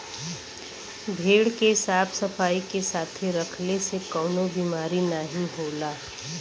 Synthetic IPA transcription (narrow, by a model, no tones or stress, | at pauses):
bʱeːɽkesaːpʰsɐfaːikesaːt̪ʰeɾɐkʰlesekɔːnobiːmaːɾinaɦĩɦoːlaː